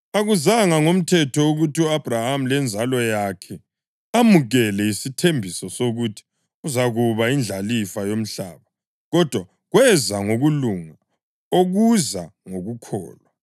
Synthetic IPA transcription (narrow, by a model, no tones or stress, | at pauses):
aɣuzaŋaŋom̩tʰɛtʰɔuɣutʰiuab̥ʱraham̩lɛnd͡zʱalɔjakʰɛ | amuɣɛlɛisitʰembʱisɔsoɣutʰi̥ | uzaɣuβaind͡ɮʱalifajom̩ɬa̰ːβa | ɣɔd̥ʱwa | ɣwɛzaŋoɣuluːŋa | oɣuzaŋoɣukʰɔ̰ːlwa